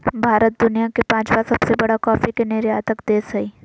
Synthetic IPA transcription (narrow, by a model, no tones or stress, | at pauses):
bʱaːɾət̪̚d̪ʊnijakepãːt͡ʃbasɐbsebɐɽakɔːfikeneːɾeaːt̪əkd̪eːsɐiː